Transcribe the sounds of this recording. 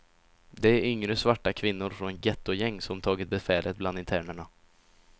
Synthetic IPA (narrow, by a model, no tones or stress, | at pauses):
d̪ɛæɾʔʏŋɾəsvaʈːakʰvɪnːʊɾfɾɔnɡɛt̪ːʊjɛŋːsɔmt̪ʰɑːɡɪt̪̚bɛfɛːlət̪̚bland̪ɪnt̪ʰæːɳəɳa